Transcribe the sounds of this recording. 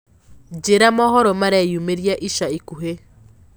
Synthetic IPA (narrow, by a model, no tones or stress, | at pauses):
d͡ʒeɾamɔɦɔɾɔmaɾɛjumeɾjaʔiʃaikuɦe